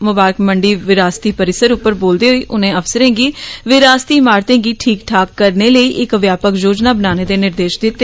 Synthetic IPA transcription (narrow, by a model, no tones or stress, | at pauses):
mʊbaːɾəkməɳɖiːʋɪɾaːst̪iːpəɾɪsəɾʊpːəɾboːld̪eːɦoiːʔʊnẽːəfsəɾẽːɡiːʋɪɾaːst̪iːmaːɾt̪ẽːɡiːʈʰiːkʈʰaːkːəɾneːləiːʔɪkʋjaːpəkjoːd͡ʒnaːbənaːneːd̪eːnɪɾd̪eːʃd̪ɪt̪ːe